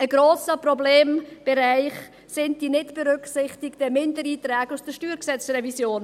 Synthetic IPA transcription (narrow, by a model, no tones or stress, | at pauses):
əɡɾoːsəprɔbleːmb̥ɛɾaɪχ | sɪnt̚d̥inɪtb̥ɛɾʏksɪχtɪktəmɪndəɾiːtɾɛːɡusd̥əʃtyːɾksɛt͡srɛvisjoːn